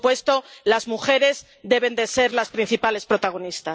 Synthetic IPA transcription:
pwe̞st̪o̞lazmuxe̞ɾe̞z | d̪e̞β̞end̪e̞se̞ɾlaspɾin̟θipale̞spɾo̞t̪aɣ̞o̞nist̪a

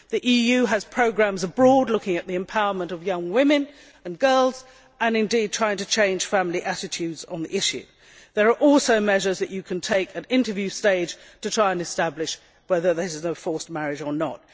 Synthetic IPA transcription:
ðiʔijʉɨz̥pʰɹ̥oʊɡɹæ̃mzəbɹɔdˡlʊkɪ̃ŋɨʔ̪̚ðiɨ̃mpʰaʊə˞mə̃ntʌvjʌ̃ŋwɪ̃mɨ̃n | ə̃nɡɜ˞lˠz | ə̃nɨ̃ndid̚tʰɹ̥aɪɪ̃ŋtʰɨt͡ʃʰẽɪ̃nʒ̥fæ̃mliʔæɾɨtʰʉdzn̩ðḭʔɪʃʉ̰ | ðə˞ːʔɔlˠsoʊmɛʒə˞zðɨt͡ʃɨkʰɨ̃ntʰeɪkʰɨɾɪ̃ntə˞vjʉsteɪd̥ʒ̥tʰɨtʰɹ̥aɪə̃nɨstæblɪʃ | wɛðə˞ðəɪznəfɔɹsmæɹɪd͡ʒə˞nə̰t̚

